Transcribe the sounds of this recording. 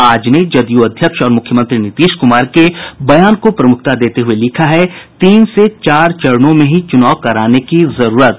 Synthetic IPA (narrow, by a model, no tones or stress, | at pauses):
aːd͡ʒned͡ʒɐd̪juɐd̪ʱjəkʃɔːɾmʊkʰjəmə̃nt̪ɾinɪt̪iːʃkʊmaːɾkebɐjaːnkopɾɐmʊk̚ʰt̪ad̪eːt̪eɦʊelɪkʰaɦɛt̪iːnset͡ʃaːɾt͡ʃɐɾnõmẽɦit͡ʃʊnaːkɐɾaːnekizɐɾuːɾət̪̚